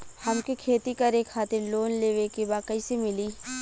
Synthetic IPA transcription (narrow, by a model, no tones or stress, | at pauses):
hɐmkekʰeːt̪ikɐɾeːkʰaːt̪ɪɾloːnleːʋekebaːkəisemɪliː